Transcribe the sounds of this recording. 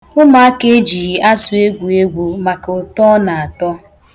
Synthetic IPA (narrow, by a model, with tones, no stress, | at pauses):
ʊ˦ma˦a˦ke˦d͡ʒi˨i˨ʔa˦sʊ˨e˦ɡʷu˨e˦ɡʷu˨ma˨kʊ˨tɔ˦na˨a˨tɔ˦